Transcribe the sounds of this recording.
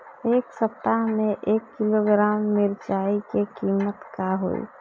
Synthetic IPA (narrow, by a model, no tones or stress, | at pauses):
eːksəp̚t̪aɦmẽʔeːkːɪloɡɾaːmːɪɾt͡ʃaːikekiːmət̪kaɦo̰ḭ